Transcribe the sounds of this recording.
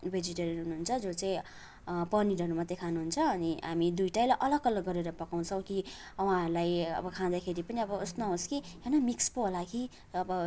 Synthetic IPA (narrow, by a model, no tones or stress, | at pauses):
bʱed͡ziʈʌɾinɦunuɦunt͡sʰʌd͡zot͡saĩ | pʌniɾʌɾumat̪ːekʰanuɦunt͡sʰʌːniɦamid̪ujʈajlaʔʌlʌɡʌlʌɡːʌɾeɾʌpʌkaw̃t͡sʰʌ̃w̃ki | wãɦʌɾulajʌ̰bʌkʰãd̪akʰeɾipʌniʌbʌosnʌɦoskiɦenʌmikspoɦolaki | ʌbʌ